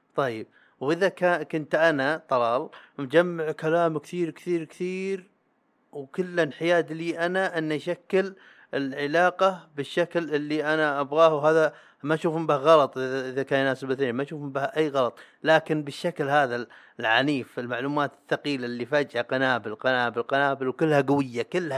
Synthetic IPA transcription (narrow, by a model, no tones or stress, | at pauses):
t̪ˤɑjːɪb̚ | wʔɪðakakʊnt̪ʔanat̪ˤɑlɑːlmd͡ʒamːaʕkalaːmkθiːɾkθiːɾkθiːɾ | wkʊlːɪnħɪjaːd̪liːʔanaʔɪnːaʔʃakːɪl | ɪlʕɪlaːqɑbɪʃːaklʔɪlːiʔanaʔabɣaːhwɦaːða | maʃuːfɪmbɪhɣɑlɑt̪ˤʔʔɪðakaːnjnaːsɪbɪθeːnmaʃuːfmbɪhaʔajːɣɑlɑt̪ˤ | laːkɪnbɪʃːaklhaːða | lʕaniːfɪlmaʕluːmaːt̪ɪθːaqiːlalːifad͡ʒʔaqɑnaːbɪlqɑnaːbɪlqanaːbɪlwkɪlːhaɡʊwɪjːakɪlːha